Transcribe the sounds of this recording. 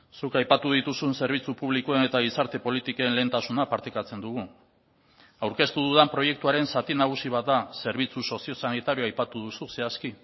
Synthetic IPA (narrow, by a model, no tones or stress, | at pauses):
sukajpat̪uðit̪usunse̞ɾβ̞it͡supuβlikoene̞t̪aɣ̞isaɾt̪e̞po̞lit̪iko̞enle̞ːnt̪asunapaɾt̪ekat͡se̞nd̪uɣ̞u | awɾke̞st̪uðuðampɾo̞je̞k̚t̪uaɾe̞nsat̪inaɣ̞usiβ̞at̪̚d̪ase̞ɾβ̞it͡suso̞sio̞sanit̪aɾijoajpat̪uð̞ususe̞aski